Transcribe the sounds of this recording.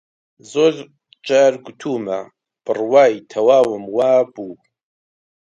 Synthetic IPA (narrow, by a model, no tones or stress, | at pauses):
zol | t͡ʃʼarɡʷʊtʰuːma | b̥ɨrwaːjitʰawaːwɨmwaːbu